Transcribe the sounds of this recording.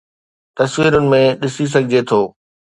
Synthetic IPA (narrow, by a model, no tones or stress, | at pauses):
t̪ɐswiːɾʊnɪ̆mẽɗɪsis̬ɐɡʱɪd͡ʑet̪ʰoː